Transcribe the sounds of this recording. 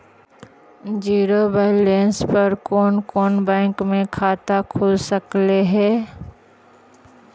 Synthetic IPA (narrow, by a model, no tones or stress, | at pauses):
d͡ʒiːɾobelẽːnspɐɾkoːnkoːnbɛ̃ːŋkmẽkʰaːt̪akʰʊlsəkleɦɛː